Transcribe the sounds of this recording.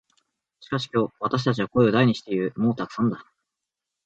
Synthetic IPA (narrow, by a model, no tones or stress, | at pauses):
ɕi̥kaɕi̥kʲo̞ːβat̪aɕ̬i̥t̪at͡ɕ̬iβako̞eod̪aiɲ̟iɕi̥t̪e̞iɾɯ̟moːt̪akɯ̥sãnd̪a